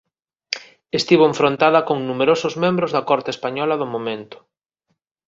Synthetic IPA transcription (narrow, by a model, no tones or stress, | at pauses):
est̪iβoeɱfɾõnt̪aðɐkoŋnumeɾosʊzmẽmbɾʊzðɐkɔɾt̪espaɲɔlɐðomomẽnt̪ʊ̥